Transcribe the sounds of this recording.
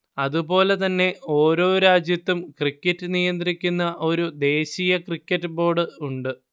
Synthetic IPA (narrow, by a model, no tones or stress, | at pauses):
ɐðupo̞ːle̞t̪ɐnːe̞o̞ːɾo̞ːɾaːd͡ʑjɐt̪ːumkrikʲːɐtːɨnijɐnd̪rikʲːunːɐʔo̞ɾud̪e̞ːɕijɐkrikʲːɐtːɨbo̞ːrɖɨuɳɖɨ